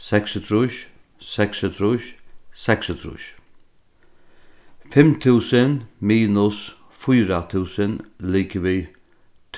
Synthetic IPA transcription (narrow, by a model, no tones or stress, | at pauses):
sɛksət̪ʰɾuʃ | sɛkshət̪ʰɾuʃsɛkshət̪ʰɾṵʃ | fɪmt̪ʰʉːsənmiːnʊs | fʊjɾat̪ʰʉːsənliːkəʋiː | t̪ʰ